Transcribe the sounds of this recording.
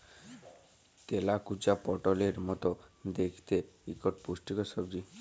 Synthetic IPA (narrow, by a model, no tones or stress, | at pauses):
t̪elakut͡ʃapɔʈɔleɾmɔt̪ɔd̪ekʰi̥t̪eikɔʈpusʈikɔsɔbɾi